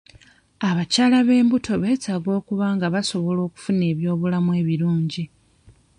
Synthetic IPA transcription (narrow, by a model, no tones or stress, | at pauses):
aβacaːlaβe̞ːmbutʰo̞βe̞ːtaːɡo̞ːkuβaːŋɡaβaso̞βolo̞ːku̥fune̞ːβjo̞ːβulamwe̞ːβiɾuːɲɟi